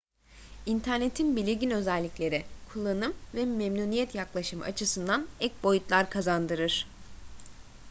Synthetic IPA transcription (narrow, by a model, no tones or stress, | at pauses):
int̪ʰæɾne̞t̪ʰinbilʲiɟʲinø̞zɛlʲːicʲlʲe̞ɾɛkʰulˠːanɯmvɛmɛmnuːnijɛt̪jaklˠaʃɯma̰t͡ʃʰɯsɯnd̪anɛc̚bo̞jut̪lˠaɾkʰazand̪ɯɾɯɾ̥